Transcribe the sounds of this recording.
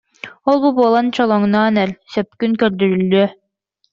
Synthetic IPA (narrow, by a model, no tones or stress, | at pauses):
olˠbubuɔlˠant͡ɕɔlˠɔŋnɑːnɛɾsœp̚kynkœɾd̪yɾylːy